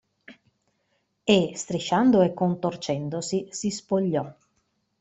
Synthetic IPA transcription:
est̪ɾiʃand̪oekːont̪ort͡ʃɛnd̪osisispoʎːɔ

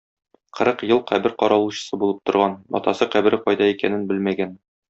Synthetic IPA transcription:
qʰɤ̆ɾɤqjɤlˠqʰæbɘɾqɒɾɑlˠuɕɤ̥̆sɤbulˠɤp̚t̪ŏɾʁɑnɒ̰t̪ɑsɤqæbɘ̆ɾɘqɒjd̪ɑikænɘnbɘlmæɡæn

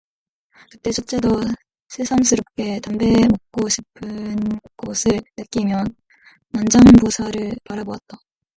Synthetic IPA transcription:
kɯ̥k̚t͈e̞t͡ɕʰot͡ɕ͈edʌ | sʰesʰamsʰɯɾop̚k͈e̞tambe̞mok̚k͈oɕʰipʰɯnɡ̥ʌsʰɯɭnɯk͈imjʌnː | and͡ʑaŋbosʰaɾɯɭpaɾabowa̰t̚t͈a

